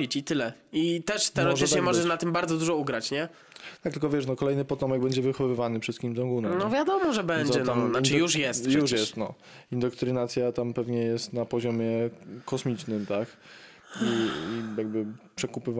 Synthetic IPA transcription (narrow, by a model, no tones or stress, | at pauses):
it͡ɕit̪ɘlɛit̪ɛʂt̪ɛɔt̪ɲɛmɔʐɛʂnat̪ɘmbaɾd̪zɔd̪uʐɔuɡɾat͡ɕɲɛ | t̪akt̪lkɔvʲjɛʂnɔkɔlɛjnɘpɔt̪ɔmɛɡ̚bɛɲd͡ʑɛvɘxɔvɘvanɘpʂɛst̪kʲimzɔŋɡunɛmnɔvʲjad̪ɔmɔʐɛbɛɲd͡ʑɔɛnɔmnaɘjuʂjɛst̪juʂjɛst̪nɔ | ind̪ɔkt̪ɾɘnat̪sʲjat̪ampɛvɲɛjɛst̪napɔʑɔmʲjɛkʰɔsmʲit͡ʂnɘmt̪ak | iijaɡ̚bɘpʂɛkupɘv